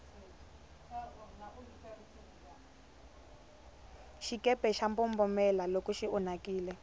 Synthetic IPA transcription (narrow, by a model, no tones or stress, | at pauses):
ʃikɛpɛʃampɔmbɔmɛlalokuʃiʔɔnakiːlɛ